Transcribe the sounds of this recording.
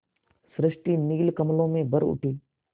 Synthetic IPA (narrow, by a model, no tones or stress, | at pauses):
sɾɪʃʈiːniːlkɐmlõmẽbɐɾʊ̰ʈʰiː